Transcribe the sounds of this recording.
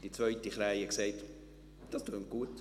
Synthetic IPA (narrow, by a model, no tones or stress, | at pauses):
d̥it͡svœʏtiχɾajəkseɪt | d̥ɑstʰøːn̚ɡ̥uət